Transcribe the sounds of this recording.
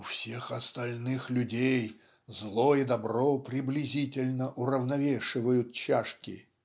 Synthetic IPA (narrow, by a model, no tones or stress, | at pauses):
ʊfsʲexɐst̪ɐlʲnɨxlʲʊdʲej | zlˠoid̪ɐbropɾʲɪblʲɪzʲitʲɪlʲnəʔʊɾəvnɐvʲeʂɨvəjʊt̪̚t͡ɕaʂkʲɪ̰